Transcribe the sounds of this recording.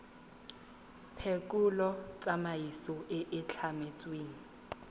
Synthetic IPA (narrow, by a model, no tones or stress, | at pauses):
pʰekʼulɔt͡sʼamajisɔʔɪʔɪt͡ɬʰamet͡sʼweːni